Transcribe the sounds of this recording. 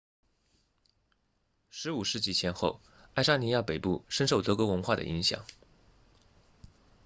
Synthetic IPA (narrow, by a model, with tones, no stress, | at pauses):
ʂɻ̩˧˥u˨˩ʂɻ̩˥˧t͡ɕi˥˩t͡ɕʰjɛ˧˥nxo˥˧ʊ | a˥˩ɪʂa˥ni˧˥ja˥˩pe˨˩ɪpu˥˩ʂə˥nʂo˥˩ʊt̪ɤ˧˥kwɔ˧˥wə˧˥nxwa˥˩d̪ə̰˩ʔḭ˧˥ŋɕjɑ̰˨˩˦ŋ